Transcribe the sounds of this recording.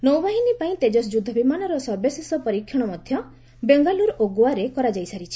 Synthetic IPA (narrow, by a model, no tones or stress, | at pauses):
nɔwbaɦinipaĩt̪ed͡ʒɔsd͡ʒud̪ʱɔbimanɔɾɔsɔɾbesesɔpɔɾikʰːjɔɽ̃ɔmɔd̪ʱjɔ | beŋɡaluɾoɡwaɾekɔɾad͡ʒajsaɾit͡ʃʰi̥